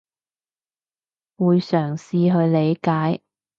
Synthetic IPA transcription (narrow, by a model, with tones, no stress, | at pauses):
wuː˨˧jsœː˨˩ŋsiː˧ɦɵ˧ɥle˨˧jkaː˨˥j